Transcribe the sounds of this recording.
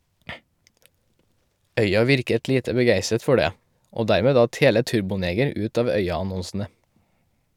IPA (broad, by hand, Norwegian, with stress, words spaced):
ˈœʏɑ ˈʋɪɾkət ˈliːtə bəˈɡæɪsət ˈfɔ ˈɖeː ˈoː ˈdæɾmeː ˈdɑt ˈheːlə ˈtʉɾbʊˌneːɡəɾ ˈʉːt ˈɑːʋ ˈœʏɑɑˌnɔnsn̩ə